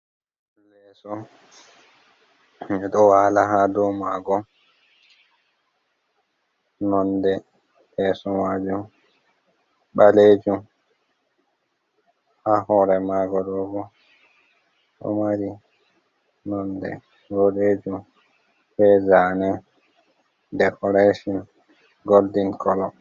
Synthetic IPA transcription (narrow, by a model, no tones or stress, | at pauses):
lɛsɔ | mɛɗɔwalaɦadɔmaːɡɔ | nɔndɛ | bɛsɔmad͡ʒum | ɓaled͡ʒum | hahɔɾɛmaɡɔdɔbɔ | ɗɔ̰maɾi | nɔndɛ̰ | ɡoɗed͡ʒum | hɛzanɛ | dɛkɔɾaʃɔn | ɡoldinkɔlɔ